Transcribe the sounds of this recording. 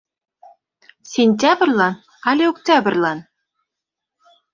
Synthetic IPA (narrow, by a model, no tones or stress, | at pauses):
sʲenʲt̬ʲabrʲlˠɑn | alʲeoktʲabrʲlˠɑn